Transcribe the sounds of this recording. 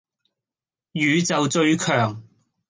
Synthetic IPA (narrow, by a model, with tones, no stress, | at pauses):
jyː˨˧t͡sɐ˨wt͡ʃɵ˧ɥkʰœː˨˩ŋ